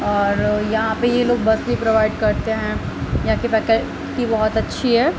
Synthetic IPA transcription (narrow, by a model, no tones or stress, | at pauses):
ɔːɾjɐɦãpejeloːɡ̚bɐslipɾoʋaːɪɖkɐɾt̪eɦɛ̃ | jãkipɛːkə | kibɔɦɔt̪ɐtːʃʰiɦɛː